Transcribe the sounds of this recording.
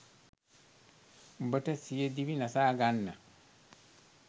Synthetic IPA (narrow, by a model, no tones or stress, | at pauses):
bəʈəsijəd̪iʋinasaːɡanːə